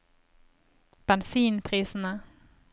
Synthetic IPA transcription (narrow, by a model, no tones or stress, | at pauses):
b̥ɛnsiːnpʰɾiːsəna